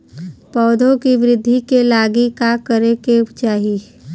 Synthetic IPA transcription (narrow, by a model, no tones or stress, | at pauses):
pɔːd̪ʱõkiʋɪɾɪd̪ʱːikelaːɡikakəɾeket͡ʃaːɦi